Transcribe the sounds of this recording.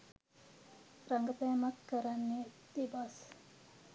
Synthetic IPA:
raŋɡət̪ɐjɐmakːəɾanːed̪ebas

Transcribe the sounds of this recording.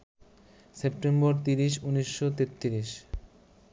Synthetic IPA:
sepʈembɔɾt̪iɾiʃuniʃːot̪et̪ːiɾiʃ

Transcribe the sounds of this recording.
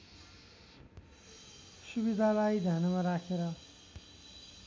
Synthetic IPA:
subid̪ʱalajd̪ʱjanamaɾakʰeɾʌ

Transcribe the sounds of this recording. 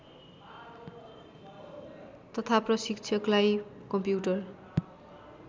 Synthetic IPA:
t̪ʌt̪ʰaprʌsikt͡sʰʌklajkʌmpjuʈʌr

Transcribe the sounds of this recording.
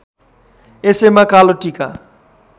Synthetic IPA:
esejmakaloʈika

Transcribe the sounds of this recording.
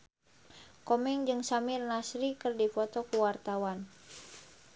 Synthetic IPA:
kɔmɛŋd͡ʒɨŋsamirnasɾikɨrdipɔt̪ɔkuwart̪awan

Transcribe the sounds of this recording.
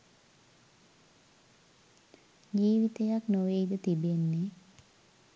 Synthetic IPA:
d͡ʒiːʋit̪ejaknoʋeidət̪ibenːe

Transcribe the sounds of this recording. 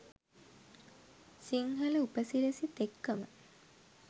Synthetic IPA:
siŋɦɐləupəsilesit̪ekːəmə̰

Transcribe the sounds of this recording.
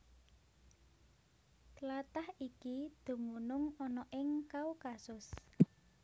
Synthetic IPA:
t̪lat̪ahikid̪̥ṳmunʊŋɔnɔʔɪŋkaukasʊs

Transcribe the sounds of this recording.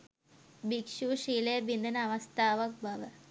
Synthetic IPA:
bikʂuːʂiːlebind̪ʱɐnɐʋɐst̪aːʋɐk̚bʱɐʋɐ

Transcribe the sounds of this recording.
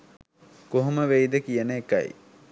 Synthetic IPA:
koɦuməʋejd̪əkijənəekːɐ̰j̰

